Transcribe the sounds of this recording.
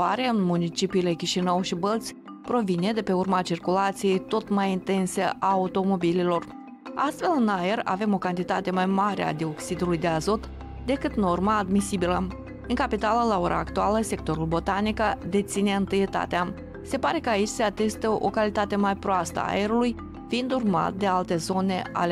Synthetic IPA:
aɾeɨnmunit͡ʃipiːle̞kʲiʃinəwʃibəlt̪sʲ | pɾo̞vine̞d̪e̞pe̞urmat͡ʃirkulat̪sije̞jt̪o̞t̪majint̪e̞nsəʔaut̪o̞mo̞bililo̞r | ast̪fe̞lɨnajera̰ve̞mo̞kant̪it̪at̪e̞majmaɾea̰d̪io̞ksid̪ulujd̪e̞azo̞t̪ | d̪e̞kɨt̪no̞rmaːd̪misibilə | ɨŋkapit̪aləlao̞ɾʔa̰ːkt̪ualəse̞k̚t̪o̞ɾulbo̞t̪anikad̪e̞t̪sineɨnt̪ɨjet̪a̰t̪ea | se̞paɾe̞kəait͡ʃʲse̞at̪e̞st̪əʔo̞̰kalit̪at̪e̞majpɾoast̪ə̰a̰a̰eɾuluj | fiind̪urma̰t̪̚d̪e̞alt̪e̞zo̞ne̞a̰le

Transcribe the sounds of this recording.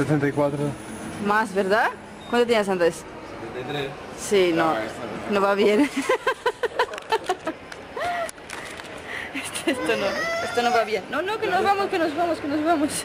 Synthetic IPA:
set̪ẽnt̪ajkwat̪ɾo | mazβeɾða | kwɐ̃nt̪ot̪iɲas̬ãnt̪es | st̪ẽnt̪ɐt̪ɾe | sinõnõvaβjẽŋ | est̪est̪onõest̪onõw̃vaβjẽŋnõnõwkenozβamʊskenozβamʊskɪnozβemʊs

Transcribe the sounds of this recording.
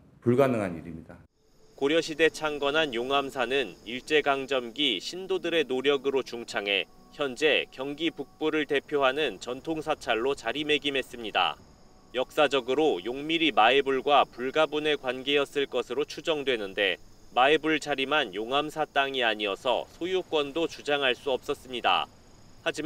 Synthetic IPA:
puɭɡanɯŋɦaniɾimɲid̥a | koɾjʌɕʰide̞t͡ɕʰaŋɡʌnɦanjoŋamsʰanɯniɭt͡ɕ͈e̞ɡaŋd͡ʑʌmɡiɕʰindodɯɾe̞noɾjʌɡɯɾot͡ɕuŋt͡ɕʰaŋɦe̞̰ | çjʌnd͡ʑe̞kjʌŋɡipuk̚p͈uɾɯɭte̞pʰjoɦanɯnt͡ɕʌntʰoŋsʰat͡ɕʰaɭːot͡ɕaɾime̞ɡimɦe̞s͈ɯmɲida̰ | jʌk̚s͈ad͡ʑʌɡɯɾojoŋmiɾimaebuɭɡwapuɭɡabune̞kwanɡe̞jʌs͈ɯɭk͈ʌsʰɯɾot͡ɕʰud͡ʑʌŋdwe̞nɯnde̞ | maebuɭt͡ɕʰaɾimanjoŋamsʰat͈aŋiaɲiʌsʰʌ̰sʰojuk͈wʌndot͡ɕud͡ʑaŋɦaɭs͈uʌp̚s͈ʌs͈ɯmɲida̰ | had͡ʑi

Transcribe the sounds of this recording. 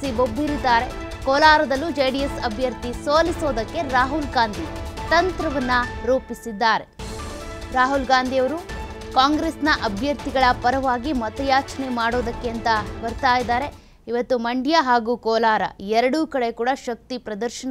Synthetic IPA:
sibobʱːiɾid̪ːaːɾe̞ | kɔːlaːɾɐd̪ɐlːud͡ʒejɖijesɐbʱjɐɾt̪isoːlisoːd̪ɐkːe̞ɾaːɦulɡaːnd̪ʱit̪ɐnt̪ɾɐʋɐnːɐɾuːpisid̪ːaːɾe̞ | ɾaːɦulɡaːnd̪ʱijɐʋɐɾu | kaːŋɡɾeːsnɐʔɐbʱjɐɾt̪iɡɐɭɐpɐɾɐʋaːɡimɐt̪ɐjaːt͡ʃɐnemaːɽoːd̪ɐkːeɐnt̪ɐbɐɾt̪aːjid̪ːaːɾe̞ | iʋɐt̪ːumɐɳɖijaɦaːɡuːkɔːlaːɾɐ̰ɛɾɐɽuːkɐɽe̞kuːɽɐʃɐk̚t̪ipɾɐd̪ɐɾʃɐn

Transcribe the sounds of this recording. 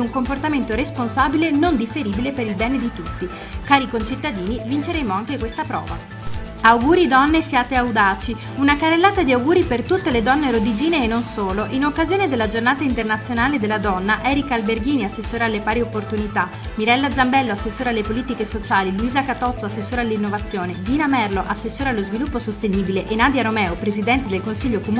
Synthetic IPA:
uŋkomport̪ament̪oɾesponsaːbilenond̪ifeɾiːbilepeɾilbɛːned̪it̪ut̪ːi | kaːɾikont͡ʃit̪ːad̪iːnivint͡ʃeɾeːmoaŋkekwest̪apɾɔ̰ːva | awɡuːɾid̪ɔnːesjaːt̪eawd̪aːt͡ʃi | unakarelːaːt̪ad̪iawɡuːɾipert̪ut̪ːeled̪ɔnːeɾod̪id͡ʒiːneːnːonsoːloʔinokːazjoːned̪elːad͡ʒornaːt̪aint̪ernat̪sːjonaːled̪elːad̪ɔnːaʔɛːɾikalberɡiːniasːesːoːɾealːepaːɾiopːort̪unit̪a | miɾɛlːad̪zambɛlːoasːesːoːɾealːepoliːt̪ikesot͡ʃaːliluiːzakat̪ɔt̪sːoasːesːoːɾealːinːovat̪sːjoːned̪iːnamɛrloʔasːesːoːɾealːozvilupːosost̪eniːbileʔenaːd̪iaɾomɛːopɾezid̪ɛnt̪ed̪elkonsiʎːokom

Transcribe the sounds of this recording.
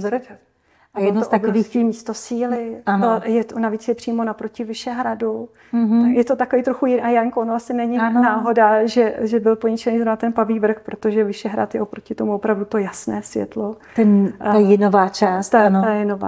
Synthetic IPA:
ɾ | ajɛdnoosʔt̪abviːskiːmiːst̪osiːlɪanjɛt̪onaviːt͡sjɛpr̥iːmo̞napɾo̞cɪvɪʃɛɦɾadu | ɦjɛt̪ot̪akoviːt̪ɾoxujɪajaɲkoonoasɪnɛɲɪnaːɦɦo̞daʒɛʒɛbɪlpoɲɪt͡ʃɛniːzɾovnat̪ɛnpaviːvr̩xpɾot̪o̞ʒɛvɪʃɛɦɾa̰t̪jɛʔopɾo̞cɪt̪omuopɾavdut̪o̞jasnɛːsvjɛ̰t̪lo | t̪ɛnajɪnovaːt͡ʃaːsnt̪ajɪnova̰ː

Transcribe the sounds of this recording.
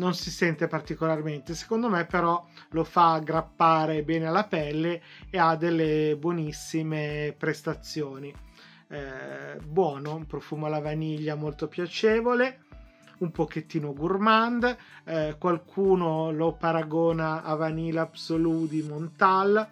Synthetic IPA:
nonsisɛnt̪epart̪ikolarment̪ese̥kond̪omepːeɾɔlofaɡɾapːaːɾebɛːnealːapɛlːeːad̪ːelːebwɔnisːimepɾest̪at̪sːjoːni | bwɔːnoumpɾofuːmoalːavaniʎːamolt̪opjat͡ʃeːvole | umpoket̪ːiːnoɡurmand̪ | kwalkʰuːnolopaɾaɡoːnaːvaniːlabsolud̪imont̪al

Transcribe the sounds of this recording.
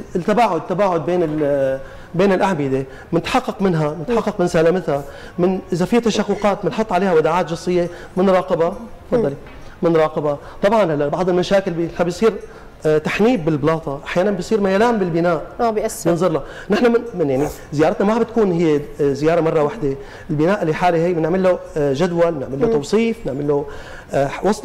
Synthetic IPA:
ɪlt̪ːabaːʕʊd̪̚t̪ːabaːʕʊd̪̚beːnɪl | beːnɪlʔaʕbɪd̪e | mnɪt̪ħɑqːɑqmɪnɦamnɪt̪ħɑqːɑqmɪnsalamɪt̪ha | mɪnʔɪzafit̪aʃaqːʊqɑːt̪̚bɪnħot̪ˤːʕaleːhawad̪aʕaːt̪ʒɑsˤːɨjːe | mɪnɾˤɑːqɪbɑfɑd̪ˤːɑli | mɪnɾˤɑːqɪbɑ | t̪ˤɑbʕɑnhalːabɑʕd̪ˤɨlmaʃaːkɪlbɪħnabijsˤiːɾ | t̪aħniːbːɪlblɑːt̪ˤɑʔaħjaːnanbɪjsˤiːɾmajaːlaːmbɪlbɪnaːʔjɪnzˤʊɾˤla | nɪħnamɪnmɪnjaʕni | zɪjɑːɾˤɑt̪namabɪt̪kuːnhɪjːezɪjɑːɾˤɑmɑrˤːɑwaħd̪e | ʔɪlbɪnaːʔɪlːiħaːliɦɪjːmnɪʕmɪlːoʒad̪walmɪnɪ̰ʕmɪlːot̪ɑwsˤiːfnɪʕmɪlːo | ħwɑsˤt̪

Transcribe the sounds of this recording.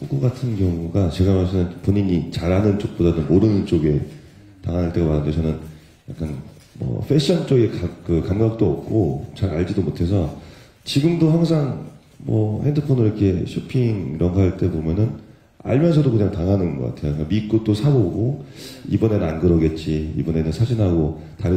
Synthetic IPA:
ok͈ʌk͈atʰɯnkjʌŋuɡat͡ɕe̞ɡamasʰinɯnpoɲiɲit͡ɕaɾɦanɯnt͡ɕ͈ok̚p͈odanɯnmoɾɯnnt͡ɕ͈oɡe̞ | taŋanaɭt͈e̞ɡamaɾɯndet͡ɕʰʌnɯn | ja̰k͈an | mʌ̰ɸʰe̞ɕ͈ʰʌnt͡ɕ͈oɡekakɯkamɡak̚t͈oʌ̰p̚k͈ot͡ɕaɾaɭd͡ʑidomotʰe̞s̬ʰʌ | t͡ɕiɡɯmdohaŋsʰaŋ | mʌhendɯpʰonɯɾʌkʰe̞ɕʰopʰiŋiɾʌnɡaɦaɭt͈e̞bomjʌnɯn | a̰ɭmjʌnsʰʌdokɯɲaŋtaŋɦanɯnɡʌ̰k͈a̰tʰe̞jokamik͈ot̚t͈osʰaɡoɡo | ibʌne̞nanɡɯɾʌɡe̞t̚t͡ɕ͈iḭbʌne̞nɯnsʰad͡ʑinɦaɡo | taɾ

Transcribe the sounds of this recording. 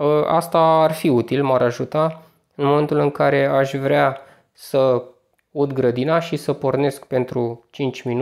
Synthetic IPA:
əa̰st̪aːrfiut̪ilmaɾaʒut̪a | ɨnmo̞me̞nt̪ulɨŋkaɾe̞aʃʲvɾea | sə | ud̪ɡɾəd̪inaʃisəpo̞rne̞skpe̞nt̪ɾut͡ʃint͡ʃʲminu

